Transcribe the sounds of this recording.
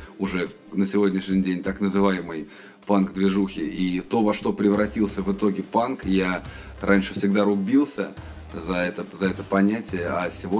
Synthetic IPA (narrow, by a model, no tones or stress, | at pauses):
ʊʐɛ | nəsʲɪvo̞dʲnʲɪʂnʲɪdʲenʲt̪aknəzɨvajɪmɨj | panɡd̪vʲɪʐuxʲɪʔit̪o̞vɐʂt̪o̞pɾʲɪvɾɐtʲilˠsʲəvɨt̪o̞ɡʲɪpankja | rʔanʲʂɨfsʲɪɡ̚d̪aɾʊbʲilˠsʲə | zɐɛt̪əzɐɛt̪əpɐnʲætʲɪjəasʲɪvo